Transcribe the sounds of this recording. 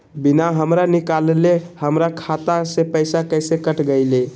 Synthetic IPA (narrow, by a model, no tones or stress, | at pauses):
binaɦəmɾanikalelehəmɾakʰat̪asepəjsakəjsekəʈɡəɪle